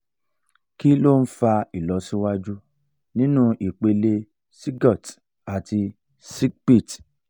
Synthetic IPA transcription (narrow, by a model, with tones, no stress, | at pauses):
ki˦lo˦˨n̩˦fa˧i˨lɔ˨˦sĩ˦wa˦d͡ʒu˦ | nĩ˦nũ˦ʔi˨k͡pe˧le˧ | si˦ɡɔ˦˨t | a˨ti˧ | si˦ɡk͡pi˦˨t